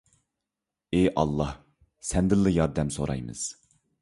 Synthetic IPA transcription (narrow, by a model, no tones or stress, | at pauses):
eʔɑlˠːɑh | sɛnd̪ɪlˠːɨjɑɾd̪ɛmsoɾɑ̰jmɨ̰z̥